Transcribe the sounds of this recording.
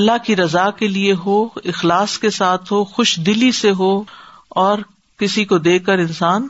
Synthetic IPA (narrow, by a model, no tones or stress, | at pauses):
ɐlːaɦkiɾɐzaːkelieɦoːɪxlaːskesaːt̪ʰɦoxʊʃd̪ɪliseɦoːɔːɾ | kɪsikod̪eːkːəɾɪ̃nsaːn